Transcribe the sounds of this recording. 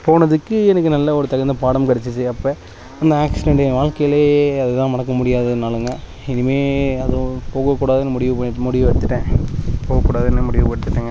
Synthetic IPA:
poːnɐðɯkːɯɛnɐk̬ːɯnɐlːɐɔɾɯt̪ɐɣɐnd̪ɐpaːɽɐmkɐɽɛt͡ʃːɯseɐpːoː | ɐnd̪ɐaːksɪnɛɳɖɐɐʋaːɭkɐjɪleːɐðɯt̪ãːmɐnɐkːɐmʊɽɪjaːðɯnaːlɯŋɡɐ | ɛnɯmeːɐðɯ̃poːɣɐkːuːɽaːðɯnːɯmʊɽɪʋɯpɐmʊɽɪʋɯʋɐɽɯt̪ːɯʈːẽːpoːɣɐkːuːɽaːðɛnːɯmʊɽɪʋɐpɐɽɯt̪ːɯʈːɐːŋɡɐ

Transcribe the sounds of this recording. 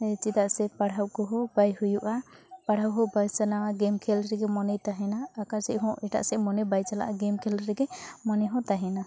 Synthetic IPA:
t͡ʃid̪aʔsɛpaɽ̤ʱawkɔɦɔbajhujuʔa | paɽ̤awɦɔbajsanawaɡɛmkʰɛlɾɛɡɛmɔnɛjt̪aɦɛnaːkaɾsɛʔɦɔ̃ʔɛʈa̰ʔsɛmɔnɛbajt͡ʃala̰ʔaɡɛmkʰɛlɾɛɡɛmɔnɛɦɔ̃t̪aɦɛna

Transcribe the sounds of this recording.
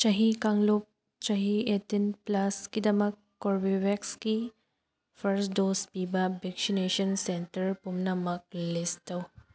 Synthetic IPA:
t͡ʃɐɦikaŋlop̚ | t͡ʃɐɦietinplɐskidɐmɐkːoɾbiwekski | pʰɐɾsdospibɐbeksineʃɐnsentɐɾpumnɐmɐk̚listɐw

